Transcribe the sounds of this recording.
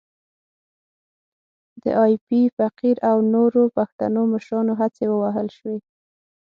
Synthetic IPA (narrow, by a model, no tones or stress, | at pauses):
d̪ə̰ʔɑjpifaqiɾawnoɾopaxt̪a̰noməʃɾɑnoɦat͡sewəwaɦəlʃwe